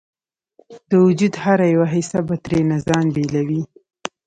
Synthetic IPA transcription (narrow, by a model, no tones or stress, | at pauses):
d̪̥əwʊd͡ʒud̪haɾajawaɦisabat̪ɾenazɑnbelawi